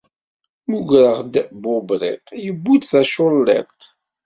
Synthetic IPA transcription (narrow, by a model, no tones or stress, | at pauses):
muʝɾəʁd̪bʊbɾˤɪ̰t̪jəbːud̪θæʃʊlːɪ̰ɾt̪